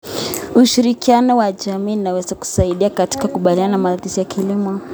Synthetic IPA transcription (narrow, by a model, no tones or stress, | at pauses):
uʃiɾikianɔwaʄamiːnawɛzaku̥saiɗiakati̥kakuɓaliananamaatisijakʰilimɔ